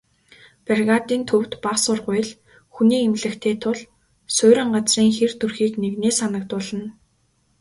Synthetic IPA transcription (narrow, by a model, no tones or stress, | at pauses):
perɣat̪iːnt̪ʰɵw̥t̪paqsʊrʁʊjɮ | xuniːemɮɘ̆xt̪ʰeːt̪ʰʊɮ | sʊːɾʲɪ̆ɴɢat͡sriːŋxert̪ʰɵrxiːkneɣneːsanə̆k̚t̪ʊɮə̆n